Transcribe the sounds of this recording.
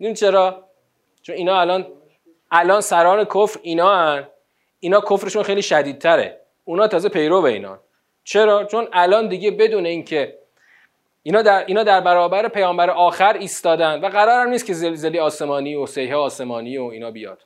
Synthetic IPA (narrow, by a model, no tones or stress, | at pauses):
it͡ʃʰe̞ɾɒː | t͡ʃʰoniːnɒːælɒːn | ʔælɒːnsæɾɒːne̞kʰofɾiːnɒːæn | iːnɒːkʰofɾeʃunxejliːʃæd̪iːd̪̚t̪ʰæɾḛ | unɒːt̪ʰɒːze̞pʰe̞jɾoveḭːnɒ̰n | t͡ʃʰe̞ɾɒːt͡ʃʰo̞nælɒːnd̪iɟe̞be̞d̪uːne̞iːncʰe̞ | iːnɒːd̪æɾiːnɒːd̪æɾbæɾɒːbæɾepʰejɒːmbæɾeʔɒːxæɾiːst̪ɒːd̪ænd̪væɣæɾɒːɾæmniːstcʰe̞zelze̞liɒːse̞mɒːniosejɦeːɒːse̞mɒːniːoiːnɒːbijɒ̰ːd̪̥